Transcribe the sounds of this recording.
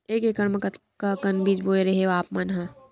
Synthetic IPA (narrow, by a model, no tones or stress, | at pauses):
eːkekɐɽməkɐt̪ | kakɐnbiːd͡ʒboːeɾeɦeʋaːpmɐnɦã